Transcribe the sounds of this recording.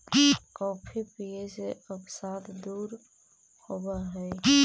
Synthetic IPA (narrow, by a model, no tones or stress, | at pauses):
kɔːpʰipijeseəpsat̪ʰd̪uːɾ | hobaɦɛj